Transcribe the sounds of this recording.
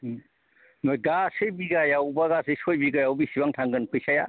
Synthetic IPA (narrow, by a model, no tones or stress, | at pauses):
mɡasɯjbiɡajawbaɡasejsʰojbiɡajawbisibaŋtʰaŋɡɯnpʰɯjsaja̰